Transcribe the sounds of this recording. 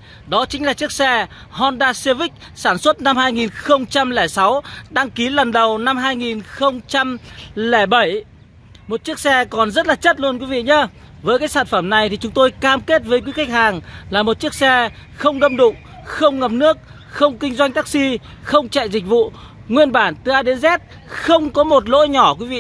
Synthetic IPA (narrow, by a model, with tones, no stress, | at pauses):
ɗɔ˨˦t͡ɕï̟˨˦laː˨˩t͡ɕɨ˦˥ək̚sɛ˧ | hɔ˧nɗaː˧se˧vï˦˥k̟̚ | saː˧˩nswə˦˥t̚na˧mhaː˧jŋi˨˩nxə˧wŋ͡mt͡ɕa˧mlɛː˧˩sa˨˦wɗaː˧ŋki˨˦lə˨˩nɗə˨˩wna˧mɦaː˧jŋi˨˩nxə˧wŋ͡mt͡ɕa˧mlɛː˧˩ɓə˧˩j | mo˨˩t̚t͡ɕi˦˥ək̚sɛ˧kɔ˨˩nzə˦˥t̚laː˨˩t͡ɕə˦˥t̚lu˧ənkwi˨˦vḭ˧˨ɲə˨˧˦vəː˨˦jkaː˨˦saː˧˩nfə˧˩mna˨˩jt̪i˨˩t͡ɕʊ˨˦ŋ͡mt̪o˧jkaː˧mke˦˥t̚vəː˨˦jkwi˨˦ka˦˥k̟̚haː˨˩ŋlaː˨˩mo˨˩t̚t͡ɕi˦˥ək̚sɛ˧ | xə˧wŋ͡mɗə˧mɗʊ̰˧˨ŋ͡m | xə˧wŋ͡mŋə˨˩p̚nɨ˦˥ək̚ | xə˧wŋ͡mkï˧ŋ̟zwa˧jŋ̟t̪aː˦˥k̚si˧ | xə˧wŋ͡mt͡ɕa̰˧˨jzi˨˩k̟̚vṵ˧˨ | ŋwi˧ənɓaː˧˩nt̪ɨ˨˧˦ʔaː˧ɗe˨˦nzɛ˦˥t̚ | xə˧wŋ͡mkɔ˨˦mo˨˩t̬̚lo̰˧˥jɲɔ˧˩kwi˨˦vḭ˧˨